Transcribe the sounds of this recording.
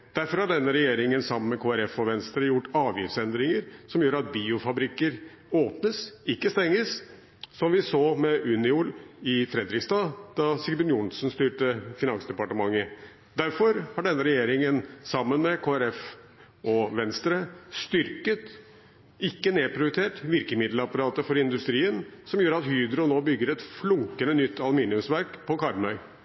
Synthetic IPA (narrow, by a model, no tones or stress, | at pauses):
d̪̥æɾfɔɾhɑɖɛnːəɾɛjeːɾɪŋənsɑmːənmɛkʰoːæɾɛfɔʋɛnst̪ɾəjʊʈːɑːʋjɪːʋsɛnd̪ɾɪŋəɾsɔmjøːɾɑt̪̚biːʊfɑbɾɪkːəɾ | oːpnəsɪkːəst̪ɛŋːəs | sɔmʋɪsoːmɛʔʉnɪʊlɪfɾɛd̪ɾɪksd̪ɑːd̪̥ɑsɪɡb̪ɪnjʊnsnst̪yːʈəfɪnɑnsd̪ɛpɑʈəmɑŋːə | d̪æɾfɔɾhɑɖɛnːəɾɛjeːɾɪŋənsɑmːənmɛkʰoːæɾɛf | ɔʋɛnst̪ɾəst̪ʏɾkət̪ | ɪkːəneːpʰɾɪʊʊt̪ʰeːʈʋɪɾkəmɪd̪lɑpɑɾɑːt̪əfɔɾɪnd̪ʉst̪ɾiːənsɔmjøːɾɑt̪hyːd̪ɾʊnoːbʏɡːəɾɛt̪flʊŋkənənʏt̪ːɑlʉmiːnɪʉmsʋæɾkpʰɔkʰɑɾmœʏ